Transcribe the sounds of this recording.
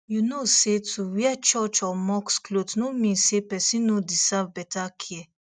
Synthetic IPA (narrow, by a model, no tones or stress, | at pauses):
junoset͡suwjat͡ʃɔt͡ʃɔmɔksklot̪numisepɛsinod̪isavbɛt̪akʰiɛ